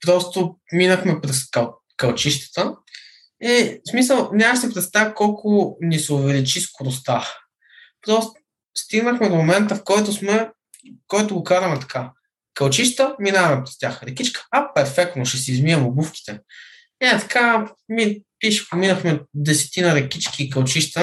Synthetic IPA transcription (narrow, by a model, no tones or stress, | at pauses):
pɾɔst̪ominəxmɛpɾɛsk | kɐlˠt͡ʃiʃt̪ə̥t̪ə | ismis̬əlˠnʲamɐʃt̪ɛpɾɛt̪st̪avikɔlˠkʰʊnisɛʊvɛlit͡ʃiskoɾʊst̪a | pɾɔst̪ | st̪iɡnəxmɛd̪omomɛnt̪əfkɔjt̪ʊsmɛ | kɔjt̪ʊɡokaɾɐmɛt̪ɐ̥kʰa | kɐlˠt͡ʃiʃt̪əminavɛmɛpɾɛst̪ʲjaxɾɛkit͡ʃkə̥ɐpɛɾfɛk̚t̪noʃɛsizmiɛmʊbufkʲi̥t̪ɛ | nɛt̪ɐ̥kʰamipiʃɛ̥pominəxmɛd̪ɛsɛ̥t̪inɐɾɛkʲit͡ʃkiːkɐlˠt͡ʃiʃt̪ə